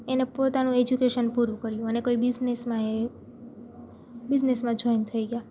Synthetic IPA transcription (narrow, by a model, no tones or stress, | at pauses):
enepot̪anũed͡ʒukeʃənpuɾũkəɾjũənekoibɪznesmãe | bɪd͡ʒnesmãd͡ʒʱojnt̪ʰəiɡja